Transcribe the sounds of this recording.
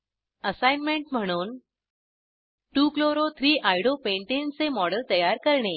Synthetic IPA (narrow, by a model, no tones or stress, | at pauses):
əsajnmeɳʈm̤əɽ̃uːn | ʈuːkloɾot̪ʰɾiːʔajɽopeɳʈent͡semɔɽəlt̪əjaɾkəɾɳe